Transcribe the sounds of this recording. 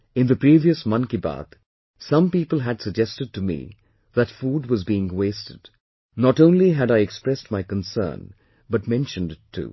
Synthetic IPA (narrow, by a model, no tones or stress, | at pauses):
ɪ̃nðɨpɹiviəsmʌ̃nkiba̰t̪ | sʌ̃mpiːpəl̩ˠɦæd̥səɡ̚d͡ʒɛstɨd̚tɨmḭ | ðɨtfuːd̚wʌzbiɪ̃ŋweɪstɨd̥ | nɔɾõʊ̃nliɦɨɾaɪɛkspɹɛst̚maɪkə̃nsɜ̰̃ːn | bʌt̚mɛ̃nʃə̃ndɪtʰːṵ